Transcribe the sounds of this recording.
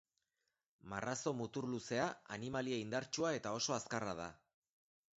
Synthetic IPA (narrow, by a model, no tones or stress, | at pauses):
marʔaso̞mut̪uɾluse̞aanimalieind̪aɾt͡ʃuae̞t̪ao̞so̞askarað̞a̰